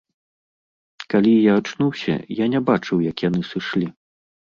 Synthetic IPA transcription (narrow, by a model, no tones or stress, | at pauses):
kalʲijaːt͡ʂnuwsʲɐ̰janʲɛbat͡ʂɨwjɐkjanɨsɨʂlʲi